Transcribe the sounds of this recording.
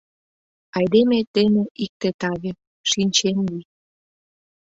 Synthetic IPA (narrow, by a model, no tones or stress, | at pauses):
ɑjd̪emet̪eneʔik̚t̪et̪ɑβe | ʃinʲt͡ɕenli